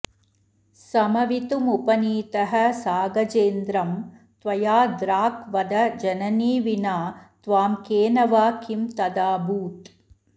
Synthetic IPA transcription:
sɐmɐʋit̪umupɐniːt̪ɐɦɐ̆saːɡɐt͡ʃeːnd̪ɾɐm | t̪ʋɐjaːd̪ɾaːkʋɐd̪ɐd͡ʒɐnɐniːʋinaːt̪ʋaːmkeːnɐʋaːkimt̪ɐd̪aːbuːt̪

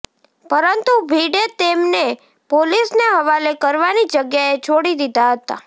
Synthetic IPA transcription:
pəɾənt̪ubʱiɽet̪emne | polisneɦəʋalekəɾʋanid͡ʒəɡjaet͡ʃʰoɽid̪id̪ʱaɦət̪a̰

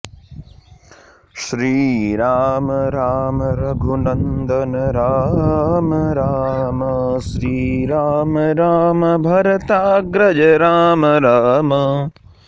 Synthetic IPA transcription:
ʃɾiːɾaːmɐɾaːmɐɾɐɡʱunɐnd̪ʱɐnɐɾaːmɐɾaːmɐ | ʃɾiːɾaːmɐɾaːmɐbʱɐɾɐt̪aːɡɾɐd͡ʒɐɾaːmɐɾaːmɐ

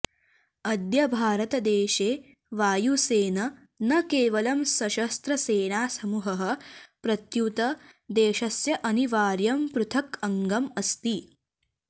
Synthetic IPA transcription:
ɐd̪jɐbʱaːɾɐt̪ɐd̪eːʃeː | ʋaːjuseːnɐ | nɐkeːʋɐlɐmsɐʃɐst̪ɾɐseːnaːsɐmuɦɐɦɐ̆pɾɐt̪jut̪ɐd̪eːʃɐsjɐʔɐniʋaːɾjɐmpɾut̪ʰɐkɐŋɡɐmɐst̪i

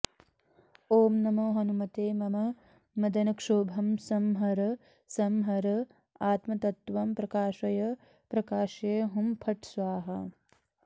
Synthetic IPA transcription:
oːmnɐmoːɦɐnumɐt̪eːmɐmɐ | mɐd̪ɐnɐkʂoːbʱɐmsɐmɦɐɾɐ | sɐmɦɐɾɐ | aːt̪mɐt̪ɐt̪ʋɐmpɾɐkaːʃɐjɐ | pɾɐkaːʃeːɦumpʰɐʈsʋaːɦɐ̰

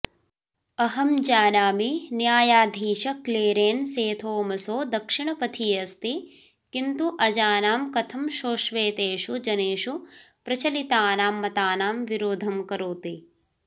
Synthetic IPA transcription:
ɐɦɐmd͡ʒaːnaːminjaːjaːd̪ʱiːʃɐkleːɾeːnseːt̪ʰoːmɐsoːd̪ɐkʂiɳɐpɐt̪ʰijɐst̪i | kint̪uʔɐd͡ʒaːnaːmkɐt̪ʰɐmʃoːʃʋeːt̪eːʂud͡ʒɐneːʃupɾɐt͡ʃɐlit̪aːnaːmːɐt̪aːnaːmʋiɾoːd̪ʱɐmkɐɾuːt̪i

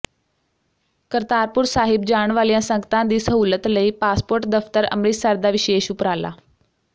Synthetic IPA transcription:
kəɾt̪aːɾpuɾsaːɦib̚d͡ʑaːɳ̃ʋaljãsə̃ŋɡt̪ãd̪iːsəɦuːlət̪ləipaːspoːɾʈd̪əft̪əɾə̰mɾiːsaɾd̪aʋiɕeːɕupɾala̰

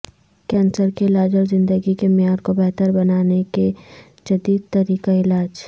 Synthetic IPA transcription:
kɛ̃ːnsəɾkelaːd͡ʒəɾzɪ̃nd̪əɡikemɪjaːɾkobɛɦt̪əɾbɐnaːneke | d͡ʒɐd̪iːd̪̚t̪ɐɾiːkaɪlaːd͡ʒ

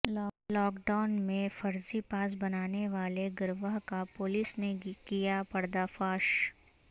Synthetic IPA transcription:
lɔːkɖaːʊnmẽfɐɾzipaːs̬bɐnaːneʋaːleɡɐɾʋəɦkapoːlisnekijapɐɽd̪afaːʃ

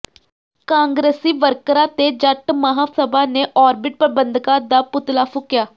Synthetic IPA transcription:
kãːŋɡɾeːsiːʋəɾkɾãːt̪eːd͡ʒəʈməɦaːsəbaːneːʔɔːɾbɪʈ̚pɾəbənd̪kãːd̪aːpʊt̪laːpʰʊkːjaː

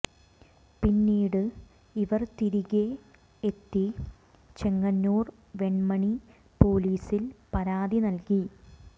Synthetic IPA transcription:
pinːiːɽɨ | iʋɐrt̪iɾiɣe | et̪ːi | t͡ɕe̞ŋːɐnːoːr | ʋe̞ɳmɐɳi | po̞ːliːsilpɐɾaːd̪inɐlki

